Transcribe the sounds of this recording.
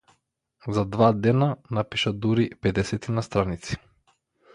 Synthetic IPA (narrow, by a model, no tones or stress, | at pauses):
zad̪vad̪ɛnanapiʃad̪uɾipɛd̪ɛsɛt̪inast̪ɾanit̪si̥